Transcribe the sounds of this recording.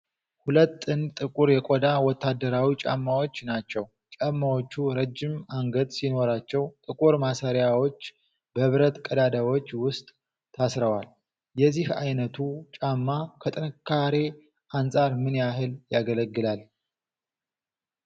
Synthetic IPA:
hulət̪ːɨnt̪ʼɨkʼuɾjɛkʼod̪awɔt̪ʰːad̪ːəɾawit͡ʃʼa̰mːawo̞t͡ʃːnat͡ʃːɛw | t͡ʃʼamːawo̞t͡ʃːuɾəd͡ʒːɪmaŋɡəd̪sino̞ɾat͡ʃːɛwt̪ʼɨkʼuɾmasaɾjawo̞t͡ʃː | bəβɾət̪kʼəd̪ad̪awo̞t͡ʃːwʊst̪ʼʰː | asɾəwal | jɛzːiha̰jnət̪ʰut͡ʃʼamːakʰət̪ʼɨnɨkʰːaɾe | ʔansʼaɾmɨnjahɨljaɡələɡːɨlal

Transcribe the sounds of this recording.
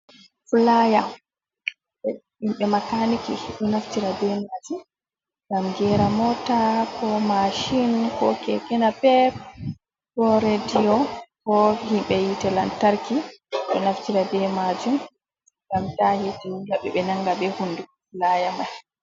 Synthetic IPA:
fulaja | ɓɛ | himɓɛmakanikiɗɔnaftiɾabɛmad͡ʒu | ɡamɡɛɾamɔtakɔmaʃinkɔ̰kɛkɛnapɛp̚ | kɔɾedijɔkɔhimɓɛjitɛlantaɾkiɗɔnaftiɾabɛmad͡ʒum | ŋɡamtahitɛwulaɓɛɓɛnaŋɡabɛhundufulajamaj

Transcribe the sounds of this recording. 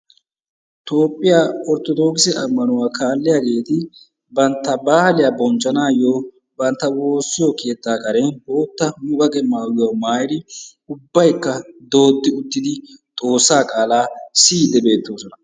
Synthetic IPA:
t̪o̞ːpʼːɪjaɔɾt̪ɔd̪o̞ːkɪsɛɐmːɐnʊwaːkʰaːlːɪjaɡe̞ːt̪ɪ | bɐnt̪ːɐbaːhlɪjabɔnt͡ʃʼːɐnaːjoː | bɐnt̪ːɐwo̞ːsːɪjɔke̞ːt̪ːaːkɐɾenbo̞ːt̪ːɐmʊbɐkʼɛmaːwɪwamaːjd̪ɪ | ʊbːɐjkːɐd̪o̞ːd̪ːɪʊt̪ːɪd̪ɪt̪ʼo̞ːsːaːkʼaːlaːsiːd̪ɛbe̞ːt̪ːoːsɔnɐ

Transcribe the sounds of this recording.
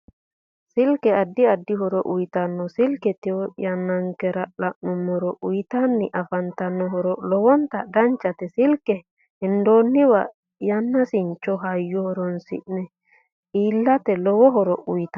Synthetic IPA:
silkɛadːiadːiɦɔɾɔʔujt̪anːɔsilkɛt̪ɛɔjanːaŋkɛɾalaʔnumːɔɾɔʔujt̪anːiʔafant̪anːɔɦɔɾɔlɔwɔnt̪adaɲt͡ʃat̪ɛsilkɛ | hɛndoːnːiwa | janːasint͡ʃːɔɦajːɔhɔɾɔnsḭʔnɛ | iːlːat̪ɛlɔwɔɦɔɾɔʔujt̪a

